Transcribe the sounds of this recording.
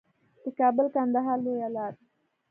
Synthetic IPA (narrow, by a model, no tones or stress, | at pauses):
ekabəlkand̪ɐɦaːlːejɐlaːd̪